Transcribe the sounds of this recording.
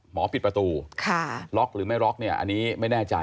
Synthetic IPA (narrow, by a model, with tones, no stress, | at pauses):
mɔː˩˦pʰi˨˩t̪̚pɾa˧t̪uː˧kʰa˥˩ɾɔ˦˥k̚ɾɯː˩˦ma˥˩jɾɔ˦˥k̚ni˥˩ɐʔa̰˧nːiː˦˥ma˥˩jnɛː˥˩t͡ɕa˧